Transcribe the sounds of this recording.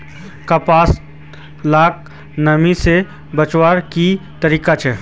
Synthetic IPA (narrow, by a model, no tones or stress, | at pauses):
kapaːs | laːk̚ | nɐmise | bɐt͡ʃwaːɾkit̪əɾiːkat͡ʃʰɛː